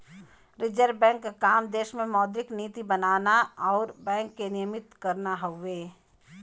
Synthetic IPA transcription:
ɾɪd͡ʒəɾbɛ̃ːŋkkaːmd̪eːʃmẽmɔːd̪ɾɪkniːt̪ibɐnaːnaɔːɾbɛ̃ːŋkːenɪjəmɪt̪kɐɾnaɦoʋeː

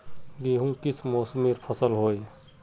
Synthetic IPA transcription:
ɡiɦũkit͡ʃʰmoːsmiɾpʰəsəlɦoːj

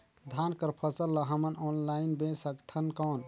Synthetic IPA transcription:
d̪ʱankəɾpʰəsəlːəɦəmənɔnlainbẽsəkt̪ʰənkɔn

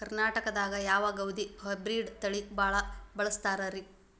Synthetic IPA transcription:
ɐɾnaːʈɐkɐd̪aːɡɐjaːʋaːɡɐwd̪iɦɐjbɾiːɖt̪ɐɭibaːɭɐbɐɭɐst̪aːɾɐːɾi

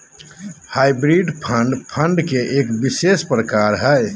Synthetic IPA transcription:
haːibɾiːɖpʰə̃ɳɖpʰə̃ɳɖkeʔeːkbɪseːspɾəkaːɾɦɛ

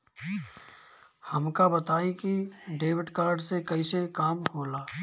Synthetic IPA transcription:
hɐmkabɐt̪aːikiɖeːʋɪʈkaːɾɖsekɐisekaːmkʰoːlaː

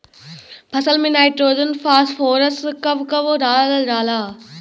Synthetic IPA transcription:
pʰɐsəlmẽnaːɪʈɾoːd͡ʒənfaːsfoːɾəskɐʋkɐʋoɾaːllɾaːlaː

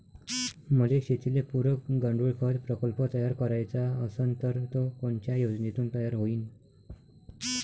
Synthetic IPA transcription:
məleɕet̪ʰilepuɾəkɡəɳɖuɭkʰəɾpɾəkəlpət̪əjaɾkəɾajt͡saəsənt̪əɾt̪okoɳt͡ɕjajod͡znit̪uːnt̪əjaɾɦoiːn

